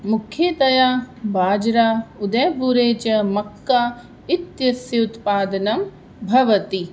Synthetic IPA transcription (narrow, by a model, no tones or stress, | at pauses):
mukʰːjeːt̪ɐjaːbaːd͡ʒɾaːud̪ɐjɐbuɾeːt͡ʃɐmɐkːaː | it̪jɐsjɐut̪paːd̪ɐnɐm | bʱɐʋɐt̪i